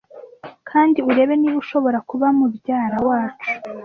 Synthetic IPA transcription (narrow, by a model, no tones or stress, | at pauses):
kʰaːndiuɾe̞ːβe̞niβuʃo̞βo̞ɾakuβamubɟaːɾawaːt͡ʃu̥